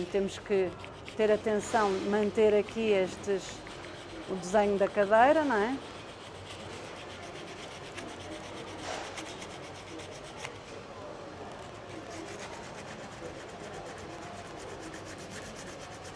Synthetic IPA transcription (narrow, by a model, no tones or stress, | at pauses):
t̪emuʃkɨ | t̪eɾɐt̪ẽsɐ̃w̃mɐ̃nt̪eɾɐkieʃt̪ɨʃ | ud̪ɨzeɲud̪ɐkɐðejɾɐnɐ̃ɛ